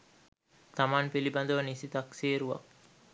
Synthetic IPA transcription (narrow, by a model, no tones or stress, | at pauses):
t̪amaːnpiliband̪uʋənisit̪aksiːɾuʋa̰